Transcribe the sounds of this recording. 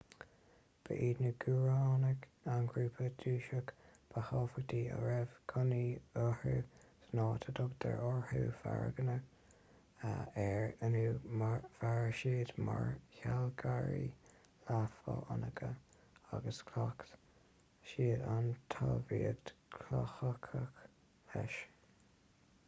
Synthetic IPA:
b̥ə̰ʔiːdnəɡ̥uɹaːnəɡanɡɹuːpʰəd̪uːʃəkb̥əhɑːfəɡd̪iːə̰ɹɛv̥kʰʊniɔhusnɑːt̪ʰəd̪ʊɡd̪̥ə̰ɹɔɹhuːfa̰ɹ̰ɡənə | ɛɹənuːmavaɹʃiːd̪maɹçalɡaɹi | lafəanəɡʰə | aɡəskʰlakt̪ | ʃiːdant̪ʰɑːviːəɡdkʰlaxəkʰək | ɛʃ

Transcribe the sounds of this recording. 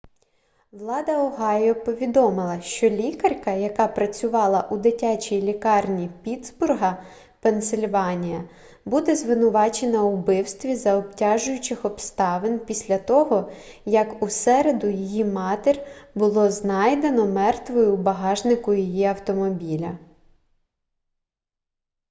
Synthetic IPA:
ʋlˠɑd̪ɐɔɦɑjɔpɔʋʲid̪ɔmɪlˠɐʃt͡ʃɔlʲikɐrʲkɐjɐkɑpɾɐt͡sʲʊʋɑlˠɐʔud̪ɪtʲat͡ʃʲijlʲikɑrnʲipʲid̪zbʊrɦɐ | pensɪlʲʋɑnʲijɐ | bud̪ɛzʋɪnʊʋɑt͡ʃe̞nɐʊbɪwst̪ʋʲizɐɔptʲɑʒʊjʊt͡ʃɪxɔbst̪ɑʋenpʲisʲlʲɐt̪ɔɦɔ | jɐkusɛɾed̪ʊjijimɑt̪erʲbʊlˠɔznɑjd̪e̞nɔmɛrt̪ʋɔjʊbɐɦɑʒnɪkʊjijiɐwt̪ɔmɔbʲilʲɐ

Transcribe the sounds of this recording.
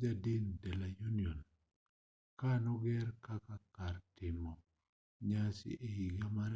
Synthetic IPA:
d͡ʒadindɛlajuniɔn | kanɔɡɛɾkakakartɪmɔ | ɲasɪ̰ʔeiɡamaɾ

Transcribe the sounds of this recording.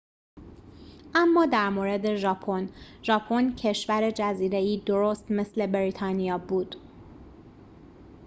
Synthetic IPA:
ʔæmːɒːd̪æɾmoːɾe̞d̪e̞ʒɒːpʰon | ʒɒːpʰoncʰe̞ʃvæɾe̞d͡ʒæziːɾe̞iːd̪oɾoːst̪me̞sle̞beɾit̪ʰɒːnijɒːbuːd̪̥

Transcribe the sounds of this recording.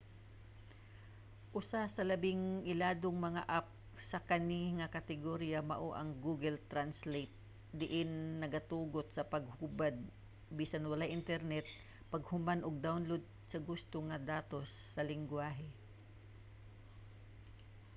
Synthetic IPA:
ʔʊsasɐlɐbɪŋʔɪlaːd̪oŋmɐŋaʔap̚ | sɐkɐniŋɐkɐt̪ɪɡoɾjamɐ̰ʔoʔɐŋɡuːɡɛlt̪ɾanslet̪̚ | d̪ɪʔɪnːɐɡɐt̪uːɡot̪̚sɐpɐɡ̚hubad̪̚ | biːsanwɐlajʔɪnt̪ɛɾnɛt̪̚ | pɐɡhʊmanʔʊɡ̚d̪awnlod̪̚sɐɡʊst̪oŋɐd̪aːt̪o̞sːɐlɪŋɡwaːɦɛ

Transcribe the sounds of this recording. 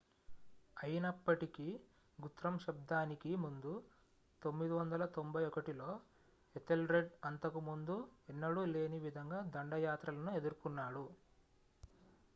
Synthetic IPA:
ɐjɐnɐpːɐʈiki | ɡut̪ɾɐmʃɐb̚d̪aːnikimund̪u | t̪o̞mːid̪iʋɐnd̪ɐlɐt̪o̞mbʱɐjɔkɐʈilo̞ː | et̪elɾe̞ɖɐnt̪ɐkumund̪uenːɐɽule̞ːniʋid̪ʱɐŋɡaːd̪ɐɳɖɐjaːt̪ɾɐlɐnue̞d̪uɾukunːaːɽu

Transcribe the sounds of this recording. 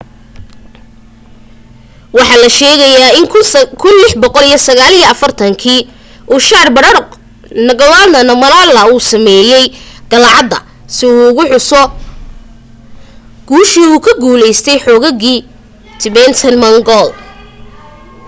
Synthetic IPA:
wɑħɑːlɐʃɛːɣɐjaːɪŋkʰʊnlɪħbɔqɔlijɔsɐɣaːlijɐɐfɐrt̪ʰɐŋkʰiː | ʔuʃɑrbɐɾɾq | nɐɣɐlaːlnɐnɐmɐnalɐuːsɐmɛːjɛjɡ̥ɐlʕɑd̪ːɐ̰ | sɪuːʊɣʊħʊsɔ | ɡ̥uːʃiːuːkʰɐɡuːlɛjst̪ʰɛjħɔːɣɐɣiː | t̪ʰɪβɛnt̪ʰɐnmɐŋɡɔl

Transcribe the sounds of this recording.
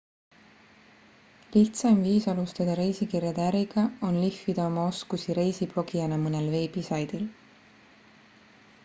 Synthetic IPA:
liht̪sɑmviːsɑlust̪ɑd̪̥ɑɾe̞jsikirjɑd̪̥eæɾiɡ̥ɑo̞nlifːid̪̥ɑo̞mɑo̞skusiɾe̞jsib̥lo̞ɡ̥ijɑnɑmɤnelve̞ːb̥isɑjd̪̥il

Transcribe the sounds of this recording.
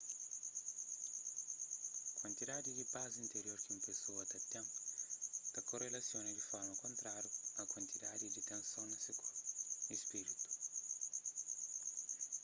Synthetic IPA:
kwant̪id̪ad̪id̪ipazint̪eɾjoɾkimpesuɐt̪at̪ːɛmp | t̪ɐkorelasjoned̪ifɔɾmɐkont̪ɾaɾjuɐkwant̪id̪ad̪id̪it̪ẽnsons | ispiɾit̪u̥

